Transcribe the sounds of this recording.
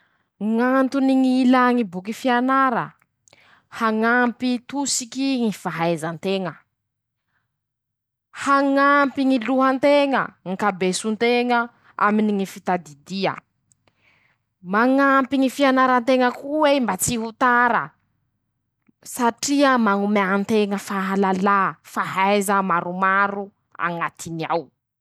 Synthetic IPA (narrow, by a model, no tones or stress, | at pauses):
ŋant̪uniŋilaŋibukifianaɾə̰ | haŋampit̪usikiŋifaɦajzant̪eŋə | haŋampiŋiluɦant̪eŋə̰ŋikabesunt̪eŋə | a̰miniŋifit̪ad̪id̪iə̰ | maŋampiŋifianaɾənt̪eŋəkuwembat͡siɦut̪aɾə̰ | saʈ͡ʂiəmaŋumant̪eŋəfaɦalalafaɦajzəmaɾumaɾu | a̰ŋat̪inia̰w